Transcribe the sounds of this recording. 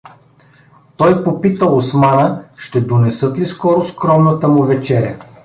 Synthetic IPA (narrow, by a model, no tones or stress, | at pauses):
t̪ɔjpopit̪əosmanəʃt̪ɛd̪onɛsɤt̪liskɔɾʊskɾɔmnət̪əmʊvɛt͡ʃɛɾʲɐ